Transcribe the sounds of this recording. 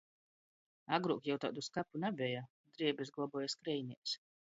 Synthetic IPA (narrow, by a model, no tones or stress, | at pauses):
aɡɾuɔkjawt̪a̰ːd̪uskapunabʲɛja | d̪ɾiɛbɛzɡlˠɔbɔːjaskɾɛjnʲiːs